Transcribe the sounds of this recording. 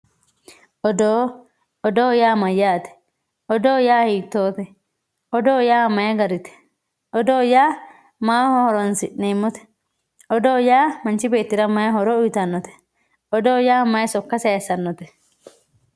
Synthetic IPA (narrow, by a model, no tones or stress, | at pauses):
ɔd̪oː | ɔd̪oːjaːmɐjːaːt̪ɛ̥ | ʔɔd̪oːjaːhiːt̪ːoːt̪ɛ | ɔd̪oːjaːmɐjɛɡɐɾɪt̪ɛ̥ | ɔd̪oːjaː | maːhɔhɔɾɔnsɪʔnːeːmːɔt̪ɛ̥ | ɔd̪oːjaːmɐnt͡ʃɪbeːt̪ːɪɾɐmɐjɐɦɔɾɔʊjt̪ɐnːɔt̪ɛ̥ | ɔd̪oːjaːmɐjɛsɔkːɐseɐsɐnːɔt̪ɛ̥